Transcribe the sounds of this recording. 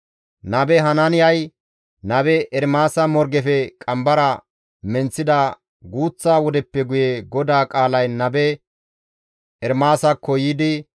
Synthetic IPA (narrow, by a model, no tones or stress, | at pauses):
nɐbɛɦɐnɐnɪjɐj | nɐbɛʔɛɾmaːsɐmɔɾɡɛfɛkʼɐmbɐɾɐ | mɛnt͡sːɪd̪ɐ | ɡuːt͡sːaːwɔd̪ɛpːɛɡʊjɛɡɔd̪aːkʼaːlɐjnɐbɛ | ɛɾmaːsɐkʰːɔjiːd̪ɪ